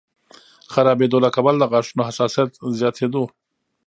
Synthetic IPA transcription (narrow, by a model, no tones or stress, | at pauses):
xaɾɑbed̪olakabald̪əɣɑʂunohasɑsijat̪zjɑt̪ʰed̪o